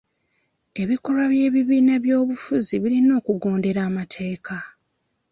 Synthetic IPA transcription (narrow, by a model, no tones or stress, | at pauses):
e̞βiko̞lwaβje̞ːβiβiːnaβjo̞ːβufuziβiɾino̞ːkuɡo̞ːnde̞ɾaːmatʰe̞ːkʰa